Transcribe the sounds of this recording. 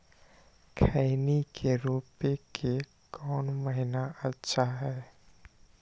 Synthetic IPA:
kʰaɪnikʰeɾuːpekʰe | kɔːnməɦɪnaʔətːʃʰaɦɛː

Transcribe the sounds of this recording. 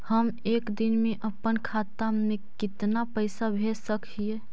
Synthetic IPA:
həmeːkd̪inmẽʔəpənkʰat̪amẽkɪt̪napəɪsabʱesəkʰie

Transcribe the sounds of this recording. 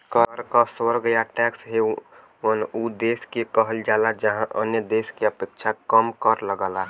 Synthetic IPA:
kəɾɾkasoɾɡəjaʈɛksɦe | ənud̪eːskekəɦəld͡ʒaːlad͡ʒəɦãʔənjəd̪eskeəpekt͡ʃʰakəmkəɾləɡəla

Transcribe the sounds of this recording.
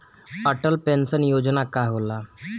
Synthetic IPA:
əʈəlpensənjod͡ʑnakaɦola

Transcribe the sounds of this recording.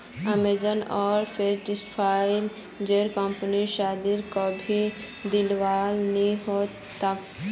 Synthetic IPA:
əmed͡ʒənɔːɾpʰeɾɖɪspʰaːɪl | d͡ʒeːɾkɔ̃mpəniʃaːd̪iɾkobʱi | d̪ɪlʋaːlnĩɦo | t̪ak

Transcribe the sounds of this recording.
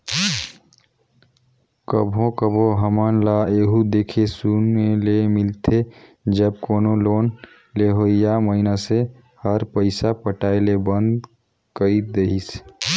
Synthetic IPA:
kəbʱõkəbʱõɦəmənlaeːɦud̪eːkʰesunmelemɪlt̪ʰed͡ʒəb̚koːnoloːn | leɦoɪjaməɦinase | həɾpəɪsapəʈaːelebə̃nd̪ | kəid̪eɦis

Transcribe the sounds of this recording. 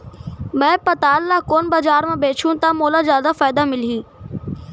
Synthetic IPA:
mɐ̃pɐt̪aːlːaːkoːnbazaːɾmãbeːt͡ɕʰũt̪amoːlazjaːd̪afaːjd̪amɪlɦiː

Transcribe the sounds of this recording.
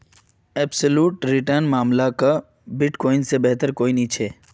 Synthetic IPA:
ɛːbsəluːʈɾɪʈəɾnmaːmlaka | bɪʈkɔːɪnsebɛɦt̪əɾkoːinĩt͡ʃʰeː

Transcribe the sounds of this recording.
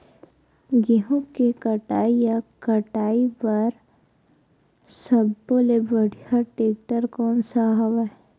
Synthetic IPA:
ɡiɦõkekɐʈaːijakəʈaːipɐɾ | sɐbːolebəɽ̤ijaʈeːk̚ʈəɾkɔːnsaɦɐʋa

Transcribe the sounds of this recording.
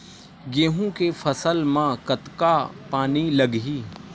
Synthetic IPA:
ɡeɦũkefʰɐsəlmãkət̪kapaːnilɐɡɦiː

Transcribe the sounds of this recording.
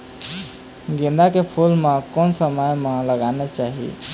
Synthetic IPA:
ɡĩnd̪akepʰulmekonsəməjmeləɡanɛt͡ʃaɦḭ

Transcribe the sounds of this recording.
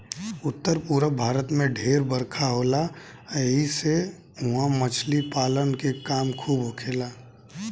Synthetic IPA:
ʊt̪ːəɾpuːɾəbʱaːɾət̪mẽɖʱeːɾbəɾkʰaɦoːla | əɦise | ɦʊ̃ãmət͡ʃʰlipaːlənkekaːmkʰuːbɦʊkʰeːlaː

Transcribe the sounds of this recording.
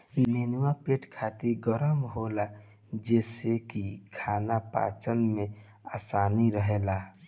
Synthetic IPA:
menwapeːʈkʰaːt̪iɾɡəɾəmɦola | d͡ʒɛːsekikʰaːnapa̰ːt͡ʃənmẽ | aːsaːniɾəɦelaː

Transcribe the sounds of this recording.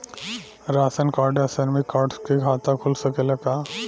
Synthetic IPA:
ɾaːsənkaːɾɖəsəɾmikaːɾʈskekʰaːt̪ãkʰʊlsɐkelɐɡa

